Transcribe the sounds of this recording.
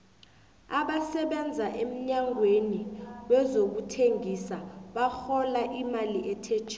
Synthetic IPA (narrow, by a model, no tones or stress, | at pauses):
aɓasɛɓɛnd͡zʱaʔem̩ɲaŋʱweniɓwɛzok̬utʰeŋisaɓaxɔlaʔimaliʔɛtʰɛt͡ʃʰː